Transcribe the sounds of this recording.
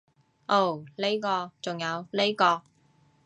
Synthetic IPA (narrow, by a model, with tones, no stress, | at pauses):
ʔo˥˨˩wle˥jkɔː˧t͡sʊ˨ŋjɐ˨˧wle˥jkɔː˧